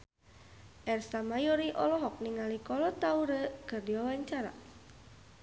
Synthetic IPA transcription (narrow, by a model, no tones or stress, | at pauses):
ʔɛrsamajoɾiʔɔlɔɦɔk̚niŋalikɔlɔt̪auɾəkərdiwawaɲt͡ʃaɾa̰